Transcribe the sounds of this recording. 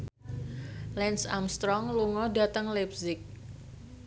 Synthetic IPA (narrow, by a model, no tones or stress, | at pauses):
lɛnsamst̪ɾɔŋluŋɔda̤t̪əŋlɛpsɪk̚